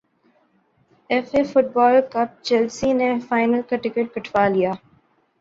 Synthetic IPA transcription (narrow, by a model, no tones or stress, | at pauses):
ɛfefʊʈ̚bɔːlkɐb̚t͡ʃɛlsinefaːɪnəlkɐʈɪkeʈ̚kɐʈʰʋaːlijaː